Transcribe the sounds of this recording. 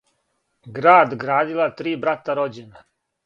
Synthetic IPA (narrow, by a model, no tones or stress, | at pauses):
ɡɾaːd̪ɡɾaːd̪ilˠat̪ɾiːbɾat̪aɾod͡ʑena